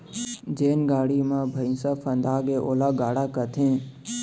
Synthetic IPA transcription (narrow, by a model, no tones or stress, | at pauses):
d͡ʒeːnɡaːɽimãːbʱəjnsafʰənd̪aːɡeʔoːlaɡaːɽakət̪ʰẽː